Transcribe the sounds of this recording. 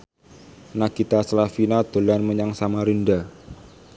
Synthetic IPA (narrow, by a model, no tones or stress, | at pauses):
naɡ̥it̪asəlafinad̪̥o̤lanməɲaŋsamaɾunda